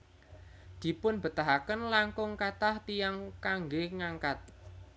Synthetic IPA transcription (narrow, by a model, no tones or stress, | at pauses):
d̪̥i̤pʊnb̥ə̤t̪aɦakənlaŋkʊŋkat̪aht̪ijaŋkaŋɡeŋaŋkat̪̚